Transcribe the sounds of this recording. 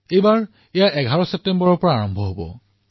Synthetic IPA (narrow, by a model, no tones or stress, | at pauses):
ejbaɹ | ejaʔɛɡʱaɹɔsɛp̚tembɔɹɔɹpɔɹaːɹɔmbʱɔɦobɔ̰